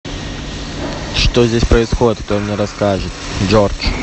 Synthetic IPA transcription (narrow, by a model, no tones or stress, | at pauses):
ʂt̪ozʲdʲesʲpɾəɪsxodʲɪt̪k̚t̪omnʲɛɾɐskaʐɨt̪d͡ʒort͡ʂ